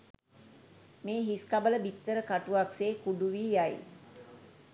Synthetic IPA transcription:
meːɦiskabələbit̪ːəɾəkaʈuʋakseːkuɖuʋiːjaj

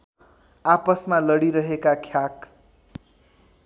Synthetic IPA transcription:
apʌsmalʌɽiɾʌɦekakʰjak

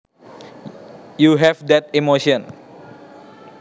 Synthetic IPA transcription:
juɦɛfd̪ɛt̪̚imoʃiɔ̃n

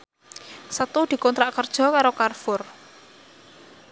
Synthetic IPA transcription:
sət̪ud̪̥i̤kɔnt̪ɾaʔkərd̥ʒ̥ɔ̤kaɾokarfʊr

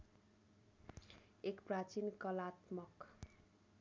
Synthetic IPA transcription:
ekprat͡sinkʌlat̪mʌk

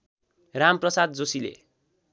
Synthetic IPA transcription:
ramprʌsad̪̚d͡zosilḛ

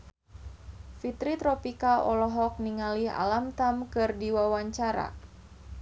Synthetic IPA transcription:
fit̪ɾit̪ɾɔpikaɔlɔɦɔk̚niŋaliɦa̰lamt̪amkɨrdiwawaɲt͡ʃaɾa̰

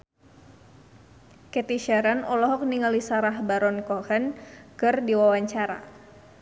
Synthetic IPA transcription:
kɛt̪iʃɛɾənɔlɔɦɔk̚niŋalisaɾaɦbaɾɔnkɔhənkɨrdiwawaɲt͡ʃaɾa̰

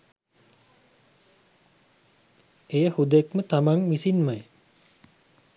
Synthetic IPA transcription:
ejəhud̪ekmət̪amaŋmisinmaj

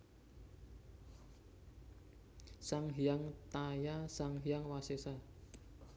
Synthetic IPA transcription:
saŋɦijaŋt̪ajasaŋɦijaŋwasesa

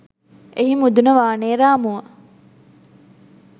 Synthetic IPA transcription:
eɦimud̪unəʋaːneːɾaːmuə

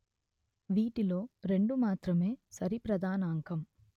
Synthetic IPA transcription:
ʋiːʈilo̞ːɾe̞ɳɖumaːt̪ɾɐme̞ːsɐɾipɾɐd̪aːnɐːŋkɐm

